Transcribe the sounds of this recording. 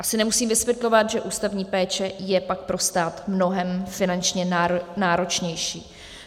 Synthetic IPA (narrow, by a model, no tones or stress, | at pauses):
ʔasɪnɛmusiːmvɪsvjɛt̪lo̞vat̪ʒɛʔuːst̪avɲiːpɛːt͡ʃɛjɛpak̚pɾo̞st̪aːt̪mno̞ɦɛmfɪnant͡ʃɲɛnaːɾo̞t͡ʃɲɛjʃiː